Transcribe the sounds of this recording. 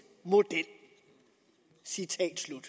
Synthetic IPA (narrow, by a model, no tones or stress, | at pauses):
mo̝d̥el̰ | sit͡sʰɛ̰ːd̥slud̥